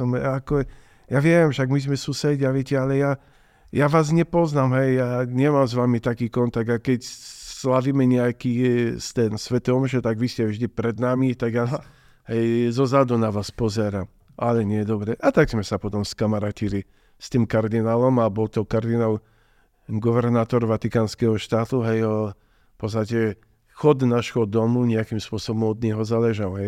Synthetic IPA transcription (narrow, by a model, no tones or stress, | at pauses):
ɔmaːkɔ | jaʋɪɛɛmʃaɡmizmɛsusɛɟaʋɪɛcɛalɛja | jaʋaːzɲɛpɔznamɦɛjjaːɲɛmamzʋamit̪akiːkɔnt̪aɡ̪̚akɛcslaʋiːmɛɲɛakiːst̪ɛnsʋɛt̪ɔmʒɛt̪aɡʋiscɛvʒd̪ipɾɛd̪namit̪aɡja | ɦɛjzɔzad̪ɔnaʋaːspɔzɛɾam | ʔalɛɲɪɛd̪ɔbɾɛʔat̪aɡz̥mɛsapɔt̪ɔmskamaɾaːcili | st̪iːmkaɾd̪inaːlɔmabɔlt̪ɔkaɾd̪inaːl | ɡɔʋɛɾnaːt̪ɔɾʋat̪ikaːnskɛɦɔʃt̪aːt̪uɦɛjɔ | fpɔt͡ss̬t̪acɛ | xɔd̪naːʒɦɔd̪ɔmuɲɛakimspʊɔsɔbɔmɔd̪ɲɛɦɔzalɛʒalɦɛj